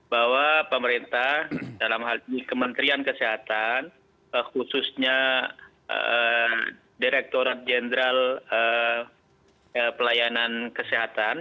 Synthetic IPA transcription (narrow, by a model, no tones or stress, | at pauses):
bawapəməɾint̪ahdalamɦalinikəmənt̪ɾiankəseɦat̪an | əxususɲa̰ | diɾɛk̚t̪oɾat̪̚d͡ʒenəɾalə | əpəlajanankəseɦat̪an